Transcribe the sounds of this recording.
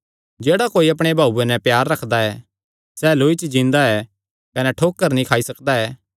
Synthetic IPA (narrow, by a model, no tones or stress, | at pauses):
d͡ʒeːɽakoːiɐp̬ɽ̃ebʱaːuenɛpjaːɾːɐkʰd̪aɛː | sɛːloːit͡ʃd͡ʒĩnd̪aɛ | kɐnɛʈʰoːkːəɾnĩkʰaːisɐkd̪aɛː